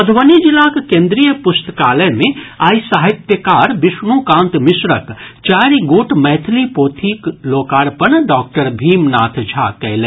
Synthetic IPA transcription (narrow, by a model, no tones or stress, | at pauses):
pɐd̪ʱʋənid͡ʒilaːkkẽːnd̪ɾijəpʊst̪ə̥kaːləmẽaːisaːɦit̪jəkaːɾbɪʃnuːkãːnt̪mɪsɾəkt͡ʃaːɾiɡoːʈmɛːt̪ʰlipoːt̪ʰiːkloːkaːɾpənɖɔːk̚ʈəɾbʱiːmnaːt̪ʰd͡ʒʱa̰ːkɛlɛː